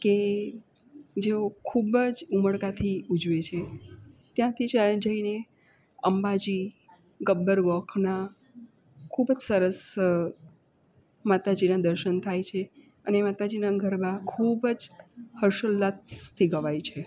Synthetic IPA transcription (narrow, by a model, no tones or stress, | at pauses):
ke | d͡ʒeokʰubəd͡ʒuməɽkat̪ʰiud͡ʒʋet͡ʃʰet̪jãt̪ʰid͡ʒəd͡ʒəine | əmbad͡ʒi | ɡəbːəɾɡɔkʰna | kʰubd͡ʒsəɾəs | mat̪ad͡ʒinad̪əɾʃənt̪ʰajt͡ʃʰe | ənemat̪ad͡ʒinaɡʱəɾmãkʰubəd͡ʒhəɾʃəlːat̪t̪ʰːiɡəʋajt͡ʃʰe